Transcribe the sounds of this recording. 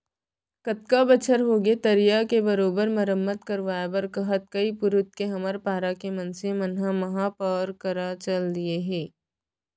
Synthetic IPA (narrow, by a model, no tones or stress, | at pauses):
kɐt̪̚kabɐt͡ʃʰəɾɦoːɡet̪ɐɾijakebɐɾoːbəɾmɐɾəmːət̪kɐɾʋaːabɐɾkɐɦət̪̚kɐipʊɾʊt̪̚keɦɐməɾpaːɾakemɐ̃nsemɐnɦãmɐɦapɔːɾkɐɾat͡ʃɐld̪ieɦɛ̃ː